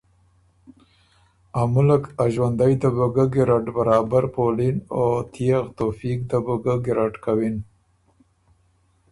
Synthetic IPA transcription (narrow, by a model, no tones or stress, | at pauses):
amʊlakaʒwand̪ajd̪əbəɡəɡɪɾaʈbaɾɑbaɾpolinot̪ʰijaɣt̪ofik̚d̪əbəɡəɡɪɾaʈkawin